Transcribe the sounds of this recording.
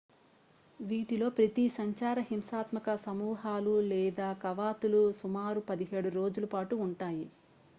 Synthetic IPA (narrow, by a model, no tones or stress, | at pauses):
ʋiːʈilo̞ːpɾɐt̪isɐɲt͡ʃaːɾɐɦimsaːt̪mɐkɐsɐmuːɦaːlulɛːd̪aːkɐʋaːt̪ulusumaːɾupɐd̪iɦeːɽuɾo̞ːd͡ʒulɐpaːʈuːɳʈaːji